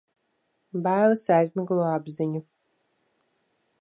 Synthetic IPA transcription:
bajlˠɨsajzʲmʲæɡlˠuabziɲu

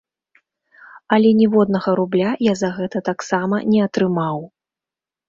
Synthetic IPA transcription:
ɐlʲɛnʲɛvɔd̪̚nɐɣɐɾublʲajazɐɣɛt̪ɐt̪aksamɐnʲɛɐt̪ɾɨmaw

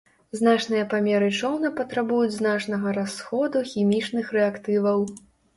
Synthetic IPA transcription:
zn̪at͡ʂnɨjɐpamʲɛɾɨt͡ʂɔwnɐpɐt̪ɾabujud͡zʲznat͡ʂnɐɣɐɾasxɔd̪uxʲimʲit͡ʂnɨxrɛakt̪ɨvɐw

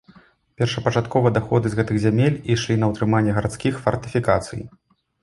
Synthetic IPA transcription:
pʲɛrʂɐpɐt͡ʂat̪kɔvɐd̪axɔd̪ɨzɣɛt̪ɨɣzʲamʲelʲiʂlʲinɐwt̪ɾɨmanʲːɛɣɐɾat̪skʲixfɐrt̪ɨfʲikat̪sɨ̰j

